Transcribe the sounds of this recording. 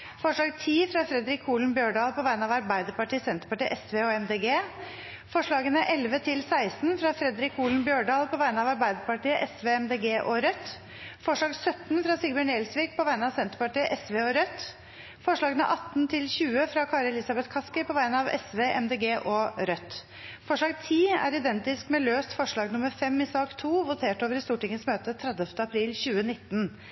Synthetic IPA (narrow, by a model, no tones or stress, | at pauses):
fɔʂɭɑːɡt̪ʰiːfɾɑfɾɛd̪ɾɪkʰːuːln̩bjøːɖɑːlˠpʰɔʋæɪnəɑʋɑɾbæɪd̪əɾpɑʈiːsɛnt̪ɾpɑʈiːʔɛsʋeːɔɛmd̪eːɡeː | fɔʂɭɑːɡənəʔɛlʋət̪ʰɪlsæɪsnfɾɑfɾɛd̪ɾɪkuːln̩bjøːɖɑːlpʰɔʋæɪnəɑʋɑɾbæɪd̪əɾpɑʈiːəʔɛsʋeːɛmd̪eːɡeːʔɔɾœt̪ː | fɔʂɭɑːɡsœt̪nfɾɑsɪɡbəɳeːlsʋiːɡ̚pʰɔʋæɪnəɑʋsɛnt̪ɾəpɑʈiːəʔɛsʋeːɔɾœt̪ː | fɔʂɭɑːɡnə̰ʔɑt̪ːnt̪ʰɪlçʉːəfɾɑkʰɑːɾəlɪsɑbɛt̪kʰɑskəɾpʰɔʋæɪnəɑʋɛ̰sʋeːʔɛ̰md̪eːɡeːʔɔɾœt̪ | fɔʂɭɑːɡt̪ʰiːæ̰ɾɪd̪ɛnt̪ɪskmɛløːst̪fɔʂɭɑːɡnʊməɾfɛmːɪsɑːkt̪ʰuːʋʊt̪ʰeːʈoːʋəɾɪst̪uːʈɪŋənsmøːt̪ət̪ʰɾɛd̪ɛft̪əɑpʰɾiːlçʉːənɪt̪ːn̩